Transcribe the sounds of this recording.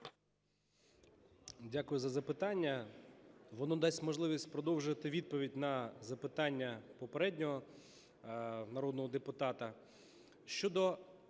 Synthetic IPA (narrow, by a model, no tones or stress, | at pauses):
dʲakʊjʊzɐzɐpɪt̪ɑnʲːɐ | ʋɔnɔd̪ɑsʲmɔʒlˠɪʋʲisʲtʲpɾɔd̪ɔwʒʊʋɐt̪ɪʋʲid̪̚pɔʋʲidʲnɐzɐpɪt̪ɑnʲːɐpɔpeɾɛdʲnʲɔɦɔ | nɐɾɔd̪nɔɦɔd̪epʊt̪ɑt̪ɐ | ʃt͡ʃɔd̪ɔ